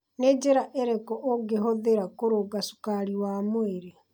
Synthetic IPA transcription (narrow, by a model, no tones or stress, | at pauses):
ned͡ʒeɾaʔeɾekɔʔoɡeɦoðeɾakoɾoɡasu̥kaɾiwamoeɾe